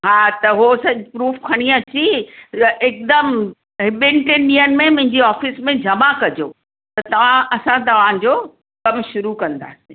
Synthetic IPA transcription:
ɦaːt̪ɐɦosɐd͡ʑpɾuːfkʰɐɽ̃iɐt͡ɕi | ɪk̚d̪əm | ɦɪɓɪɳʈɪnɗiːənɪ̆mẽmʊ̃ɦɪ̃ɲd͡ʑiɔːfɪsmẽd͡ʑʱɐmakɐd͡ʑʱoː | t̪ɐt̪ɐʋ̤ãʔɐsãt̪ɐʋ̤ãd͡ʑoː | kɐmʃʊɾukɐ̃nd̪a̰ːsĩ

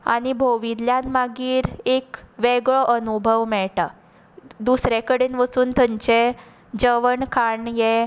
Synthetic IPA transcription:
a̰ɽ̃ibʱoʋid̪ljãnmaɡiːɾekʋeɡɭɔʔənubʱəʋmɛɭʈa | d̪usɾekəɽenʋəsuːnt̪ʰəɲt͡ɕe | d͡ʑəʋəɳkʰaɳjɛ

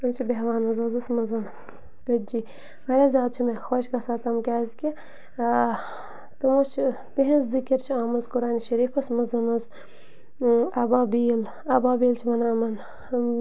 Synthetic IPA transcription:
ɐmt͡ʃʰibeɦʋaːnɐzɐzɨsmɐzɐn | kɐd͡ʒi | mɐɾʲazʲaːd̪̚t͡ʃʰimexoːʃkɐsaːt̪ɐmkʲaːzkʲi | t̪ɐmot͡ʃʰ | t̪iɦẽzzikɐɾt͡ʃʰaːmɐzkuɾaːniʃɐɾiːfɐsmɐzɐnɐz | ɐbaːbiːl | ɐbaːbiːlt͡ʃʰimɐnaːmɐn

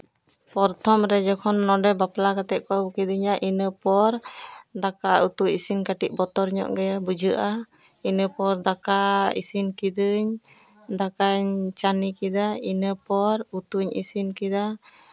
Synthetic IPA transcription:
pɔɾt̪ʰɔmɾɛd͡ʒɔkʰɔnːɔɖɛbaplakat̪ɛʔ̚kɔbkid̪ɯɲaʔinəpɔɾd̪akaut̪uʔisinkaʈiʔ̚bɔt̪ɔɾɲɔ̰ʔɡɛjabud͡ʒəʔa | inəpɔɾd̪akaḭsinkid̪ɯɲ | d̪akaɲt͡ʃanikid̪ainəpɔɾut̪uɲḭsinkid̪a

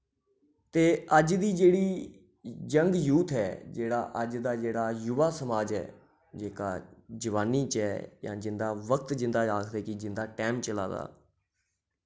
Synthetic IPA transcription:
t̪eːəd͡ʒd̪iːd͡ʒeːɽiː | d͡ʒəŋɡjuːt̪ʰɦɛːd͡ʒeːɽa̰ːʔəd͡ʒd̪aːd͡ʒeːɽaːjʊʋaːsəmaːd͡ʒɦɛ̰ː | d͡ʒeːka̰ːd͡ʒəʋaːniːt͡ʃɛːjã̰ːd͡ʒɪnd̪aːʋəkt̪d͡ʒɪ̃nd̪aːaːkʰd̪eːkɪd͡ʒɪnd̪aːʈɛːmt͡ʃəla̰ːd̪a̰ː

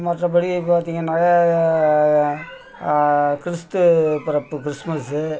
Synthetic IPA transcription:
mɐʈrɐpɐɽipaːɾt̪iːŋɡɐnaːja | kɪɾɪst̪ɯpɪɾɐpːɯkɪɾɪsmɐsɯ

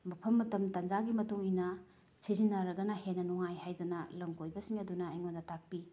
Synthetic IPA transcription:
mɐpʰɐmːɐtɐmtɐnd͡ʒaɡimɐtuŋinɐ | sizinːɐɾɐɡɐnɐɦenːɐnuŋajhajdɐnɐlɐŋkojbɐsiŋɐdunɐɐjŋmondɐtak̚pi

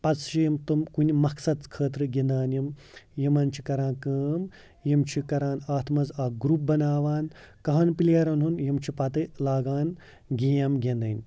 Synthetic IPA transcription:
pɐt͡sʰʃijɐmt̪umkunʲimɐksɐd̪̚t͡skʰəːt̪ɾɨɡʲind̪aːnjim | jimɐnt͡ʃʰi̥kɐɾãːnkəːm | jimt͡ʃʰikɐɾaːnaːt̪ʰmɐzaːɡɾuːp̚bɐnaːʋaːn | kɐɦɐnpilʲeːɾɐnɦunjimt͡ʃʰipɐt̪ɨlaːɡaːn | ɡʲeːjɐmɡʲẽnd̪ɐnʲ

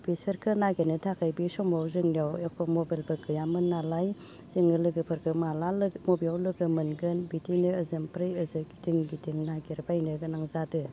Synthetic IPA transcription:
pʰisɐɾkʰɯnaɡenɯtʰakʰajbisɔmawzɯŋniawekʰɔmobalbɯkɯjamɯnːalaj | z̥iŋɯlɯɡɯpʰɯɾkʰɯmalalmobiawlɯɡɯmɯnɡɯnbitinɯːzɐmpʰɾɯjəzɯɡi̥tiŋɡitiŋnaɡeɾbajnɯɡɯnaŋzadɯ

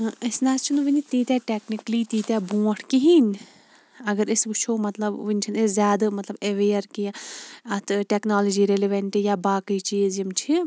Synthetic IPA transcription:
ɐsnaːst͡ʃʰinʋinʲit̪iːt̪ʲɛːʈeːknikliːt̪iːt̪aːbũːɐʈʰkiɦiːnʲ | ɐɡɐɾisɡut͡ʃʰoːmɐt̪lɐbʋɨnʲt͡ʃʰineszʲjaːd̪ɨmɐt̪lɐbeʋeːɐɾkiãɐt̪ʰʈeknaːlɐd͡ʒiːɾeleʋeɳʈijaːbaːkɐjt͡ʃiːzimt͡ʃʰi

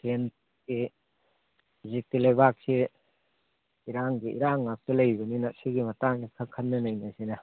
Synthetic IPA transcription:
ken | ki | zik̚tilebak̚si | iɾaŋɡiʔḭɾaŋːak̚tɐlɐjbɐninɐsiɡimɐtaŋnikʰɐkʰɐnːɐnɐjnɐsinɐ

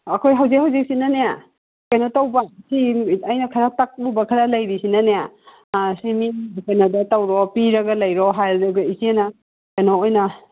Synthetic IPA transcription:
ɐkʰojɦawzikhawzik̚sinaneja | kajnotawbasiajnɐkʰɐɾatak̚ubɐkʰɐɾalajɾisinaneja | simikanadɐtawɾɔpiɾɐɡɐlɐjɾɔɦajldaɡaisiena | kajnoojnɐ

